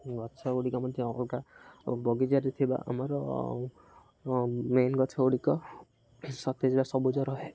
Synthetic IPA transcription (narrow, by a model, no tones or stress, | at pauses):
ɡɔt͡ʃʰɔuɽikamɔd̪ʱjɔɔkɔlkabɔɡid͡ʒaɾit̪ʰiba̰ʔa̰mɔɾɔ | menɡɔt͡ʃʰɔuɽikɔ | sɔt̪ʰed͡ʒeɽasɔbud͡ʒɔɾɔɦe